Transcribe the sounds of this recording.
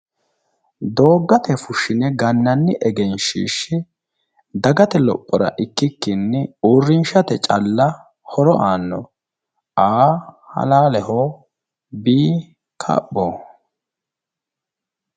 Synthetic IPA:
d̪o̞ːɡːɐt̪ɛfʊʃɪnɛɡɐnːɐnːɪʔɛɡɛnʃḭːʃːɛ | d̪ɐɡɐt̪ɛlɔpʼːɔɾɐ̰ʔɪkːɪkːɪnːɛuːrːɪnʃɐt̪ɛt͡ʃʼɐlːɐ | hɔɾɔʔaːnːɔ | aːhɐ̰laːlɛho | biː | kʰɐ̰ɓːoː

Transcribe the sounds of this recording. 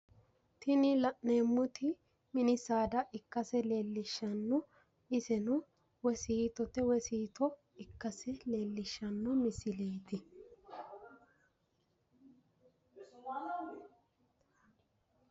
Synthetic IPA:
t̪ɪnɪlɐʔneːmːʊt̪ɪ | mɪnɪsaːd̪ɐʔɪkːɐsɛle̞ːlːɪʃːɐnːɔ | ɪsɛnʊ | wɛsiːt̪ɔt̪ɛwɛsiːt̪ɔ | ɪkːɐsɛle̞ːlːɪʃːɐnːɔmɪsɪle̞ːt̪ɪ

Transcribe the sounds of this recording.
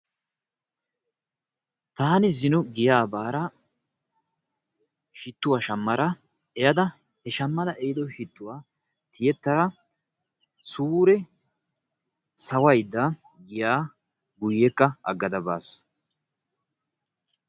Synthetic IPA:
t̪aːnɪzɪnɔɡɪjaːbaːɾɐ | ʃɪt̪ːʊwaːʃɐmːɐɾɐ | ɛjɐd̪ɐ | hɛʃɐmːɐd̪ɐʔɛjɪd̪ɔʃɪt̪ːʊwaː | t̪ʰɪjɛt̪ːɐɾɐ | suːɾɛ | sɐwɐjd̪ːɐ | ɡɪjaː | ɡʊjːɛkːɐɐ̰ɡːɐd̪ɐba̰ːs

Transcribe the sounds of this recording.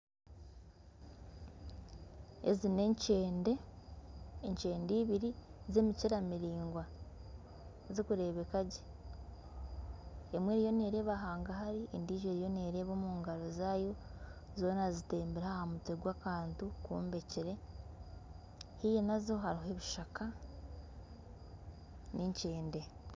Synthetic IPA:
ḛzine̞ɲceːndeː | ɲt͡ʃe̞ːndiːβiɾize̞miciɾamiɾiːŋɡwa | zikuɾe̞βekaɟe̥ | emweːɾijo̞neːɾe̞ːβaɦaːŋɡahaɾiendiːʒeɾijo̞neːɾe̞ːβo̞ːmuːŋɡaɾo̞zaːjo̞ | zo̞ːnaziteːmbiɾahahamutweɡwaːkaːntukṵːmbe̞ciɾe̞ | hijenazo̞ɦaɾiɦoeβiʃakʰa | niɲt͡ʃeːnde̞

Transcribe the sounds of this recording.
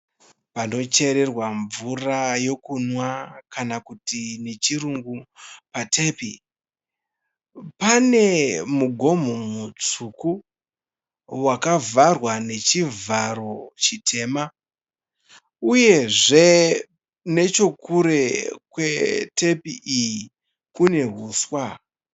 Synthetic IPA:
pano̞t͡ʃe̞ɾe̞rwaɱvurajo̞kunwakanakutine̞t͡ʃiruŋɡupatʰe̞pi | pane̞muɡʱo̞m̤omut͡suku | wakavarwane̞t͡ʃivaɾo̞t͡ʃitʰe̞ːma | uje̞ʐe̞ | ne̞t͡ʃo̞kuɾe̞kwe̞te̞piʔiji | kune̞ɦuːswa

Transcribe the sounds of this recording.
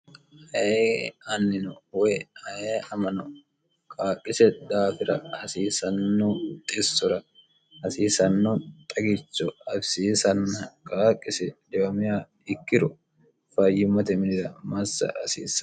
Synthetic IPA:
hɐeɐnːɪnɔwɔjhɐjeɐmɐnɔ | kʼaːkʼːɪsɛd̪aːfɪɾɐhɐsiːsɐnːɔt̪ʼesːɔɾɐ | hɐsiːsɐnːɔt̪ʼɐɡɪt͡ʃːɔɐbsiːsɐnːɐkʼaːkʼːɪsɛd̪ɛwɐmɪjaː | ɪkːɪɾɔ | fɐjːɪmɐt̪ɛmɪnɪɾɐmɐsːɐ̰ɐsḭːsɐ

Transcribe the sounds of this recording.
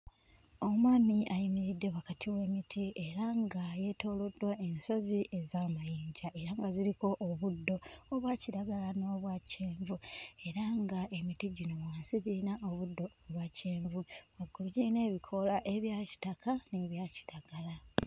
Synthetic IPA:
o̞mwaːmiʔajimiɾidːe̞wakatʰiwe̞ːmitʰie̞ɾaŋɡaje̞to̞ːlodwae̞nso̞ziʔe̞zaːmajiːɲɟaʔe̞ɾaŋɡaziɾiko̞ʔːβudːo̞oβwaːciɾaɡalano̞ːβwaːceːɱvue̞ɾaŋɡaʔe̞mitiɟino̞βwaːnsiβiɾinaʔoβudːo̞kulwaːceːɱvuwaɡːuɾɟine̞ːβikʰo̞laʔe̞βjaːci̥takʰane̞βjaːci̥ɾaɡala

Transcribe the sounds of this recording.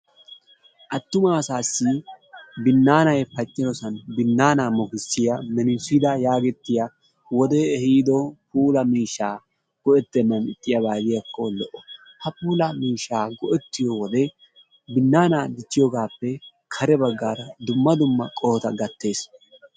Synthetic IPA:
ʔɐt̪ːʊmaːsaːsːɪ | bɪnːaːnɐjpɐt͡ʃʼːɪɾɔsɐnbɪnːaːnaːmɔkɪsːɪjɐmɛnɪsɪd̪ɐjaːɡɛt̪ːɪja | wɔd̪ɛːhiːd̪ɔpuːlɐmiːʃːaː | ɡ̥ɔɛt̪ːɛnːɐnɪt̪ʼːɪjɐbaːd̪ɪjɐkːolɔʔɔ | hɐpuːlɐmiːʃːaːɡɔʔɛt̪ːɪjɔwɔd̪ɛ | bɪnːaːnaːd̪ɪt͡ʃːɪjɔɡaːpːɛ | kʰɐɾɛbɐɡːaːɾɐd̪ʊmːɐd̪ʊmːɐkʼɔhɔt̪ɐɡɐt̪ːe̞ːs

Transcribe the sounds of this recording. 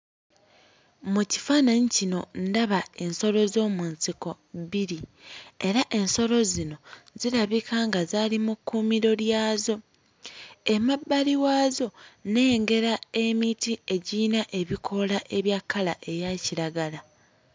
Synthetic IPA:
muci̥fanaɲicino̞ndaβae̞nso̞lo̞zo̞ːmunsiko̞ | βiɾie̞ɾaʔe̞nso̞lo̞zino̞zilaβikʰaːŋɡazaːlimukːumiɾo̞ljaːzo̞ | e̞mabːaliwaːzo̞ne̞ŋɡe̞ɾae̞mitie̞ɟiːnaʔe̞βikʰo̞laʔe̞βjakʰːala̰ʔe̞jaciɾaɡala

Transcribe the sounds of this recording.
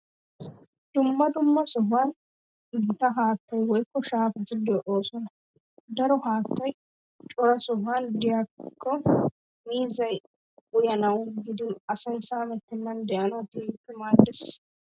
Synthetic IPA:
d̪̥ʊmːɐd̪ʊmːɐsɔɦaːn | ɪɡɪt̪ɐɦaːt̪ːɐjwɔjkːɔʃaːfɐt̪ɪd̪ɪɔʔo̞ːsɔnɐ | d̪ɐɾɔɦaːt̪ːɐj | t͡ʃʼɔɾɐsɔɦand̪ɪjakʰːɔ | miːzɐj | ʊjɐnɐwɡɪd̪ɪnɐsɛnsaːmɛt̪ːɪnːɐnd̪ɛʔɐnɐwt̪iːpːɪmaːd̪ːɪs

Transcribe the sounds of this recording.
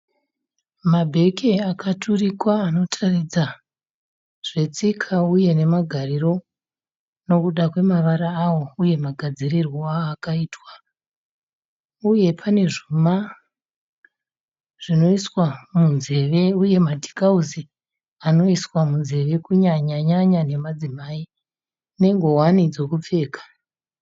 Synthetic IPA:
mabʱe̞kʰeakatʰurikwaːno̞tʰarid͡za | ʐ̥e̞t͡sikʰauje̞ne̞maɡʱariro̞ | no̞kuɗakwe̞maʋaɾaːwo̞uje̞maɡʱad͡zirirwoaːkaiːtwa | uje̞pʰane̞ʐuma | ʐ̥ino̞iswamunze̞ʋe̞uje̞madʱi̥kauzi | ano̞iswamunze̞ʋe̞kuɲaɲaɲaɲane̞mad͡zimai | ne̞ŋɡo̞wanid͡zo̞kup͡fe̞ːkḁ

